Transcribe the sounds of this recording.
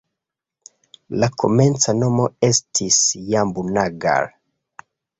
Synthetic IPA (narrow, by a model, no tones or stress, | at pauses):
lakʰoment͡sanomoestʰisjambunaɡa̰ɾ